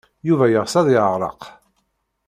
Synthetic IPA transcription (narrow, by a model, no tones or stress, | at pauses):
juvæjəʁsæðˤɪʕəʁɾˤə̰q